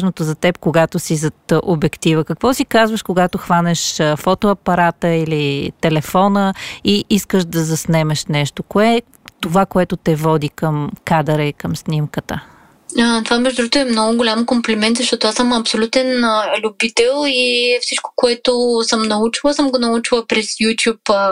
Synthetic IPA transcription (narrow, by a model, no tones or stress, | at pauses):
ʒnot̪ozɐt̪ɛp̚koɡat̪osizɐt̪ʔobɛkt̪ivəkɐkvɔsikazvəʃkoɡat̪oxvanɛʃfɔt̪oɐpɐɾat̪əilit̪ɛlɛfɔnəiʔiskəʃd̪ɐzɐsnɛmɛʃnɛʃt̪okoɛ | t̪ovakoɛt̪ʊt̪ɛvɔd̪ikəmkad̪əɾəikəmsnimkət̪ə̰ | ət̪ovamɛʒd̪d̪uɡot̪ʊɛmnɔɡʊɡolʲamkomplʲɛmɛnt̪zɐʃt̪ɔt̪oasəmɐpsolʲut̪ɛnlʲubit̪ɛlˠifsit͡ʃko̥koɛt̪osəmnɐut͡ʃilˠəsəmɡonɐut͡ʃilˠəpɾɛsjut̪ʲjup